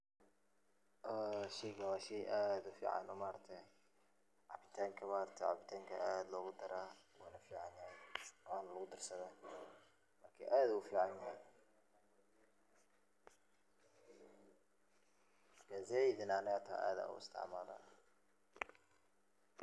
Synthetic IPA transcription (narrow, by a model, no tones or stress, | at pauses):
ʔːʃɛjkɐwaːʃɛjʔaːd̪ʊfḭːʕɑ̰nɔmaːɾɐt̪ʰɛ | ʕɑ̰bɪt̪ʰaːŋkʰɐmaːɾɐt̪ʰɐʕɑ̰bɪt̪ʰaːŋkʰɐ̰ʔaːd̪lɔːɣʊd̪ɐɾaːwuːnɐfiːʕɑnjɐhɛjaːnɐlɐɣʊd̪ɐrsɐða | mɐrkʰɐʔaːd̪ʊʊfiːʕɑnjɐɦɛj | mɐkʰaːzɛɪðɪnaːnɐɐt̪ʰa̰ʔa̰ːd̪ɐ̰ːʊ̰ɪ̰st̪ʰɪ̰ʕmaːla̰ː